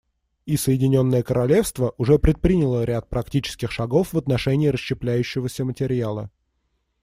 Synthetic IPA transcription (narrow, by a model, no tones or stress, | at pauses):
isəjɪdʲɪnʲo̞nːəjəkəɾɐlʲe̞fst̪vəʔʊʐɛpɾʲɪt̪̚pɾʲinʲɪlˠəɾʲat̪̚pɾɐktʲit͡ɕɪ̥skʲɪxʂɐɡo̞fvət̪nɐʂɛnʲɪːɾəɕɕːɪplʲæjʉɕːɪvəsʲəmətʲɪɾʲalˠə̰